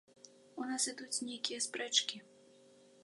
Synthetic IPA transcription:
unasɨd̪ut͡sʲnʲejkʲijɐspɾɛt͡ʂkʲi

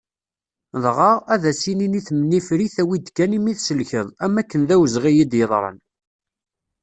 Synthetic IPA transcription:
ðˤʁɑʁæðæsininiθmənːifɾiθæwid̪kːænimiθsəlçəðˤæmːækːənðæwəzʁijid̪jəðˤɾˤə̰n

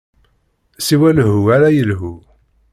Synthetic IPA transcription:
siwælɦuaɾæjəlɦu

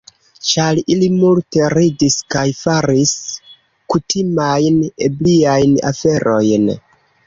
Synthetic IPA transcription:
t͡ʃalilimulte̞ɾidiskajfaɾis | kutimajnebliajna̰fe̞ɾʔo̞jn

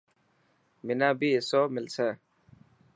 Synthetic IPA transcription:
minaːbisoːmɪlseː

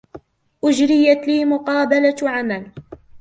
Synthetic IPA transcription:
ʔʊd͡ʒɾɪjat̪liːmʊqɑːbalaʕamal

